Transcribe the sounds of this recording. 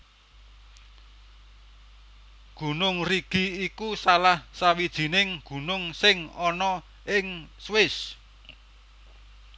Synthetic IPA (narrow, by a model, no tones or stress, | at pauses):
ɡ̥ṳnʊŋriɡ̥i̤ikusalahsawid̥ʒ̥i̤nɪŋɡ̥ṳnʊŋsɪŋɔnɔ | ɪŋswɪs